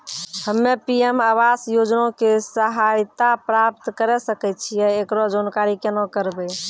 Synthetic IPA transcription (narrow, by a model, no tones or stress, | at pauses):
həmːepiemaβasjod͡ʒnõkesəɦajt̪apɾap̚t̪kəɾɛsəkɛt̪t͡ʃʰijɛekɾɔd͡ʒonkaɾikenɔkəɾbɛ